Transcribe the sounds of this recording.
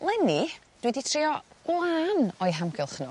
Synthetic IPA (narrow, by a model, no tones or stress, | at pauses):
lˠɛni | d̥wɛditʰriɔɡ̥lˠaːnɔjɦamɡɪlˠχnʊ̰